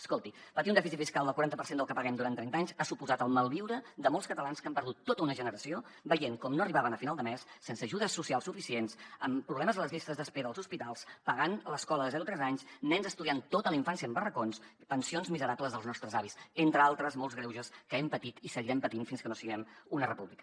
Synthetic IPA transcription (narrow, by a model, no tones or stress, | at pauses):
əskolˠt̪ipət̪iunɛfisit̪fiskalˠd̪əlˠkwuɾant̪əpəɾsend̪əlˠkəpəɣɛmd̪uɾant̪ɾɛnt̪aɲzasupuzat̪əlˠməlˠβiwɾəd̪əmolˠskət̪əlanskəmpəɾðut̪ːot̪əunəʒənəɾəsio | bəʎeŋkɔmnoəriβaβənəfinalˠd̪əmɛsːensəːʒuðəsːusialˠsufisiensəmpɾuβlɛməzələzist̪əzðəspeðəlˠzuspit̪alˠspəɣanləskɔləðəzɛɾut̪ɾɛzaɲsnɛnzəst̪uðiant̪ot̪ələiɱfansiəːmbərəkonspənsionzmizəɾabləzðəlˠznɔst̪ɾəzaβisent̪ɾəalˠt̪ɾəzmolˠzɣɾɛwʒəskəɛmpət̪it̪isəɣiɾɛmpət̪infinskənosiɣɛmunərəpuβlikə̥